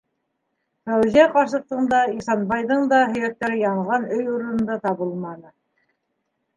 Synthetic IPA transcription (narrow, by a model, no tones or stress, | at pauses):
fæwziæqɑɾsɤ̆q̚t̪ɤ̆nd̪ɑisɑnbɑjðɤɴd̪ɑɦɵ̆jæt̪ːæɾɘjɑɴʁɑnɵjuɾɤ̆nɤ̆nd̪ɑt̪ɑβɤlˠmɑnɤ